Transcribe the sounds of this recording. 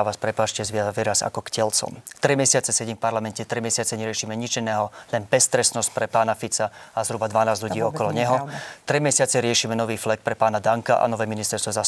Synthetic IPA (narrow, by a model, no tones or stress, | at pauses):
aʋaːspɾɛpaːʃcɛzʋɪaɛɾasa̰kɔkcɛlt͡sɔ̰mt̪ɾimɛsɪat͡sɛsɛɟimfpaɾlamɛncɛt̪ɾimɛsɪat͡sɛɲɛɾɪɛʃiːmɛɲit͡ʃinɛːɦɔlɛnbɛst̪ɾɛsnɔsc̚pɾɛpaːnafit͡saazɦɾubad̪ʋanaːzʎuɟiːɔkɔlɔɲɛɦɔt̪ɾimɛsɪat͡sɛɾɪɛʃiːmɛnɔʋiːflɛk̚pɾɛpaːnad̪aŋkaʔa̰nɔʋɛːminist̪ɛɾst̪ʋɔza